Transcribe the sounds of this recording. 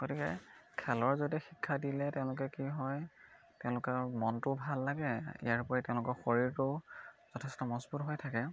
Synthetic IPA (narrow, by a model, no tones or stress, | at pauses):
ɡ̥otikɛ̰kʰɛlɔɹzodixikʰːadilɛtɛʊ̃lʊk̬ɛkiɦɔj | tɛʊ̃lʊkaɹmɔntʊbʱalːaɡɛḭjaɹpɔɹitɛ̃ʊ̃lʊkɔɹxoɹiɹtʊz̥ɔtʰɛstɔmɔsbutɦojtʰakɛ